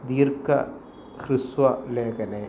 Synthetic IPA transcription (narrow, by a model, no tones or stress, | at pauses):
d̪iːɾka̰ | xɾɪswaleːkɐne